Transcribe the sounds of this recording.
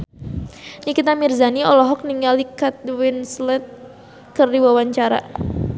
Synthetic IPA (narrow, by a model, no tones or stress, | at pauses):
nikit̪amirzaniɔlɔɦɔk̚niŋalikat̪̚wɪnslɛt̪̚ | kɨrdiwawaɲt͡ʃaɾa̰